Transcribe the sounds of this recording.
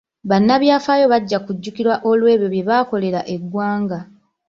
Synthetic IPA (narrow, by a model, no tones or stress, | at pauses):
βanːaβjaːfaːjo̞βaɟːakuɟːukiɾwaʔo̞lwe̞ːβjo̞βje̞βaːko̞le̞ɾaʔe̞ɡwaːŋɡa